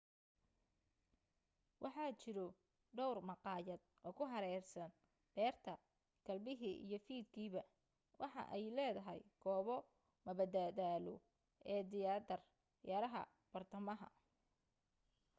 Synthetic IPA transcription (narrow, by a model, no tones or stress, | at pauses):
wʔɑħɑːt͡ʃɪɾɔ | ɖɔwrmɑqɑːjɐd̪̚ʔɔːkʰʊɦɐɾɛːrsɐn | b̥ɛːrt̪ʰɐ | ɡ̥ʰɐlbɪɦiːʔḭjɔfiːd̪kʰiːβɐ | wʔɑħɑ̰ʔɛjlɛːðɐɦɛ̰jɡ̥ʰɔːβɔ | mɐbɐd̪ad̪aːlɔ̰ | ʔɛːd̪ɪjaːd̪ɐr | jɐɾɐɦɐ̰ | b̥ɐrt̪ʰɐmɐɦɐ̰